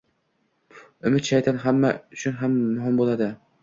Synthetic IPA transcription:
ʊmɪt̪ʃajt̪ʰanɦamːaʊt͡ʃʰʊnɦamːʊɦɪmbolˠad̪ɪ

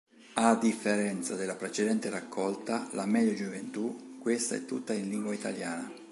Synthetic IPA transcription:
ad̪ːifːeɾɛnt̪sad̪elːapɾet͡ʃed̪ɛnt̪erakʰːɔlt̪alamɛd̪jod͡ʒuvent̪ukːwest̪a̰ɛ̰t̪ːut̪ːainliŋɡwait̪aljaːna

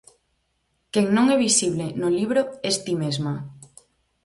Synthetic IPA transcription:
keŋnõŋɛβisiβlenoliβɾoest̪imezma

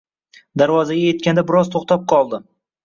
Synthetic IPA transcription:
d̪aɾvɒzaɡʲajet̪̚kʲʰand̪abɪɾɒzt̪ʰoχt̪ʰap̚qʰɒlˠd̪ɪ

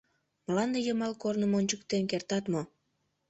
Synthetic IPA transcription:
mlɑnd̪ejəmɑlkornəmonʲt͡ɕəkt̪enkert̪ɑt̪mo

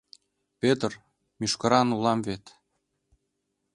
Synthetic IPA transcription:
pʲet̪ər | mʲyʃkɤ̆ɾɑnulɑmvet̪

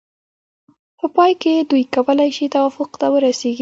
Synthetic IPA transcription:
pəpɑjked̪ujkawəlajʃit̪awafʊqt̪awəɾaseɡi

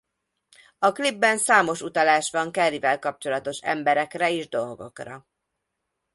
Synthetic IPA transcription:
ɒklibːɛnsaːmo̞ʃut̪ɒlaːʃʋɒŋkɛrivɛlkɒp̚t͡ʃo̞lɒt̪o̞ʃɛ̰mbɛɾɛkrɛeːʒd̪o̞lɡo̞̰krɒ̰

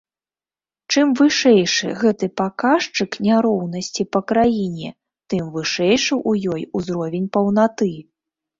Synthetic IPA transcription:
t͡ʂɨmvɨʂɛjʂɨ̰ɣɛt̪ɨpakaʂt͡ʂɨknʲaɾɔwn̪ɐsʲt͡sʲipɐkɾajinʲɛ | t̪ɨmvɨʂɛjʂɨʔujɔjuzɾɔvʲɛnʲpɐwn̪at̪ɨ

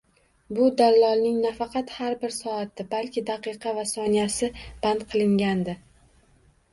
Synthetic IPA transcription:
bʊd̪allɒlˠnɪŋnafɑqʰɑt̪haɾbɪɾsɒat̪ːɪbalkʲɪd̪ɑqɨqʰɑvasɒnijasɪb̥and̪qʰɨlˠɪŋɡʲand̪ɪ

